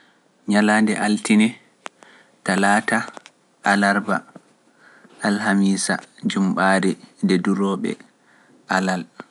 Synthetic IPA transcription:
ɲalaːndɛʔaltinɛ | talaːta | ʔalaɾba̰ | alhamiːsa̰d͡ʒumɓaːɾindɛduɾɔːɓɛ̰ | ʔalal

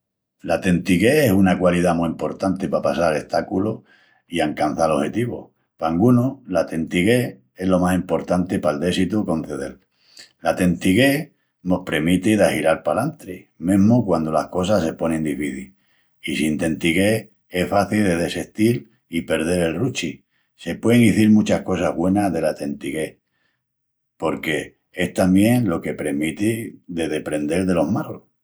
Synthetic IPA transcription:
lat̪e̞nt̪iɣe̞esunakwaliðamuimpo̞ɾt̪ant̪e̞papasale̞ht̪akulo | iaŋkan̟θalo̞he̞t̪iβo̰ | paŋɡunolat̪e̞nt̪iɣe̞ | e̞lo̞masimpo̞ɾt̪ant̪e̞pald̪e̞sit̪uko̞n̟θe̞ðe̞̰l | lat̪e̞nt̪iɣe̞ | no̞hpɾemit̪eðahiɾalpalant̪ɾemẽ̞ɦmokwand̪o̞lahko̞s̬ase̞po̞nẽ̞nd̪ifiθil | isint̪e̞nt̪iɣe̞ | e̞hfaθilðe̞ðe̞seht̪il | ipe̞ɾð̞e̞ɾe̞lrut͡ʃi | se̞pweðeŋiθiɾmũt͡ʃahko̞saɦβwe̞naðe̞lat̪e̞nt̪iɣe̞ | po̞ɾke̞ | e̞ht̪ambje̞ŋlo̞ke̞pɾe̞mit̪iðe̞ðe̞pɾẽ̞nd̪e̞lðe̞lo̞ɦmalo

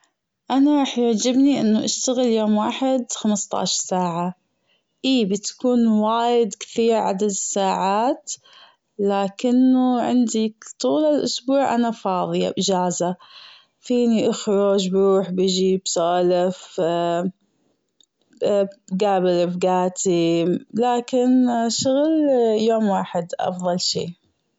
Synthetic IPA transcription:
ʔanaɾˤɑːħjɪʕd͡ʒɪbniʔɪnːʊʔaʃt̪aɣɪljoːmwaːħɪd̪xamst̪ˤɑ̰ːʃɑɾsaːʕa | ʔiːbɪt̪ḁkuːnwaːjɪd̪kɪ̥θiːɾʕa̰d̪ad̪ɪsːaːʕaːt̪ | laːkɪnːʊʕɪ̰nd̪ikt̪ˤuːlalʔʊsbuːʕʔa̰nafɑːðˤɨja̰bd͡ʒaːza | fiːniʔʊxɾod͡ʒbɾuːħbɪd͡ʒibsaːlɪf | bɡaːbɪlɪfɡaːt̪ʰilaːkɪnʃʊɣljoːmwaːħɪd̪ʔɑ̰fðˤɑlʃḭː

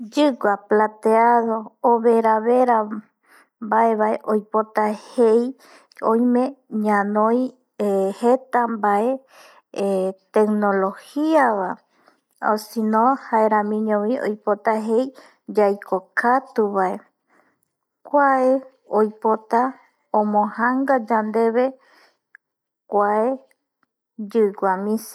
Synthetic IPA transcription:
d͡ʒɨɡʷaplat̪eaðo̞ːβe̞ɾaβeɾa | mbaeβaeʔojpo̞t̪ahej | õjmẽ̞ɲãnõj | het̪ambae̞ | t̪ekno̞lo̞hiaβa | osinõhaeɾãmĩɲõβĩo̰jpot̪aɦej | d͡ʒajkʰokʰat̪uβae | kʷae | ojpo̞t̪a | õmõhãŋɡad͡ʒand̪e̞βe̞ | kʷae | d͡ʒɨɡʷamĩs

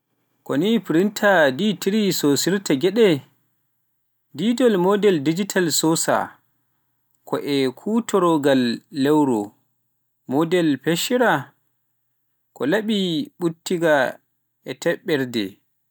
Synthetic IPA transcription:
kɔnipɾintʰaditʰiɾisosiɾtʰaɡɛɗɛ | didɔlmɔdɛldid͡ʒitʰalsɔsa̰ | kʰɔʔɛkʰutɔɾɔɡalːɛwɾɔ̰ | mɔdɛlpeʃiɾa | kʰɔlaɓiɓutːiɡa | ʔɛtʰɛɓːɛɾdɛ̰

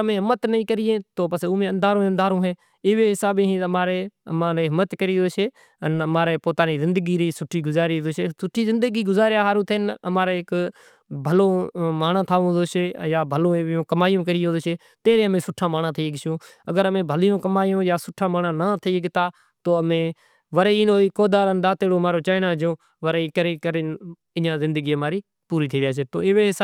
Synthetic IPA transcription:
əmẽːɦɪmət̪nəĩːkəɾɪjẽːt̪oːpəsõːmẽːə̃nd̪ʱaːɾõːənd̪ʱaːɾõːɦeː | ɪːʋeːɦɪsaːbeɦĩmaːɾeːəmãːɾeːɦɪmət̪kəɾiːoːʃeː | ənəmaːɾeːpoːt̪aːniːzɪ̃nd̪əɡiːɾiːsʊʈʰiːɡʊzaːɾiːd̪oʃesʊʈʰːiːzɪ̃nd̪əɡiːɡʊzaːɾjaːɦaːɾũːt̪ʰənəmaːɾeːɪk | bʱəlõːmaːɳãːt̪ʰaːʋõːd̪oːʃeːjaːbʱəlõːʋɪjõːkəmaːijõːkəɾɪjõːd̪oʃeː | t̪eːɾẽːəmẽːsʊʈʰːãːmaːnãːt̪ʰiːɡɪsõː | əɡəɾəmẽːbʱəlɪjõːkəmaːjõːjaːsʊʈʰːãːmaːɳãːnaːt̪ʰəiːəɡt̪aː | t̪oːəmẽː | ʋəɾeːiːnoːiːkoːd̪aːɾənɗaːt̪eːɽoːmaːɾoːt͡ʃaːɪnãːd͡ʒõː | ʋəɾeːiːkəɾeːkəɾen | ɪjãːzɪ̃nd̪əɡiːəmaːɾiː | puːɾiːt̪ʰiːɾɪjaːt͡ʃeːt̪o̰ːɪʋeːɦɪsa

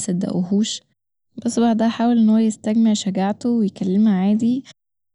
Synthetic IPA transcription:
sæd̪æ̰ʔuhuːʃ | bosˤːbɑʕd̪d̪æħaːwelʔenːhowːæjest̪æɡmeʕʃæɡaʕt̪owejekælːemaʕaːd̪i

